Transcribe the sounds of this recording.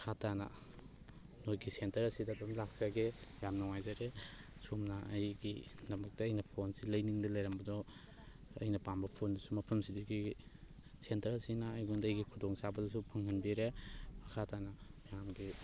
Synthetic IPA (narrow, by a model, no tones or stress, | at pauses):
kʰatanɐ̰ | nojɡisentɐɾɐsidadɔmlak̚saɡejamnɔŋajzaɾe | sumnɐɐjɡidɐmɐk̚tɐːjnɐpʰonsilɐjniŋdɐlɐjɾambɐdɔ | ɐ̰jnɐpambɐpʰondusumɐpʰɐmsidiɡi | sentɐɾɐsinaːjɡundɐjɡikʰudɔŋsabɐdɔsupʰɐŋhɐnbiɾeɐkʰatʰanɐjamɡi